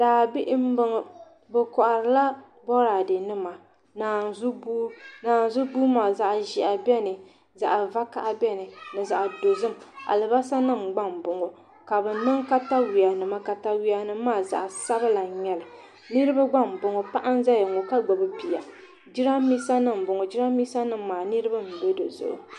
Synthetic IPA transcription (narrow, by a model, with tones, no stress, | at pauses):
d̥aː˨bi˦ʔm˦bɨ˦ŋ˨ | bɨ˨kɔ˨ʔa˨ɾɨ˨˦la˦ | bɔ˦ɾa˨dɨ˨nɨ˦ma˨ | naː˨zu˦buː˦naː˨n˨zʊ˦buː˦maː˨za˨ʔʒi˨a˨bɛ˦nɨ˨ | za̰˨ʔa˨va˦ka˨ʔa˦bɛ˦nɨ˨nɨ˨za˨ʔdo˨zɨ˦m˨a̰˨lɨ˨ba˦sa˦nɨ˦˨mɡ͡ba˦mbʊ˨ŋo˨ | ka˨bɨ˨˦nɨ˦ŋka˦ta˦wi˨a˨nɨ˨ma˦ka˨ta˦wi˦a˨nɨ˦mː˦aː˦˨za̰˨ʔa˨sa˦bɨ˦la˨ɲɛ˦lɨ˨ | nɨ˦ɾɨ˦ba˦ɡ͡ba˦˨m˨bʊ˨ŋo˨pa˦ʔa˦n˦za˦jɛ˨ŋo˨ka˦ɡ͡bo˨bɨ˦pi˨ja˨ | d͡ʒi˦ɾa˦miː˦sa˦nɨ˦m̩˨bʊ˨ŋo˨d͡ʒi˦ɾa˦miː˦sa˦nɨ˦m̩ː˨aː˨nɨ˦ɾɨ˦ba˦m̩˨bɛ˦dɨ˨zʊ̰˨ʔʊ̰˨